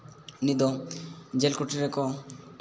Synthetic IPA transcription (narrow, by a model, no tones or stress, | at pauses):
nid̪ɔd͡ʒelkuʈiɾekɔ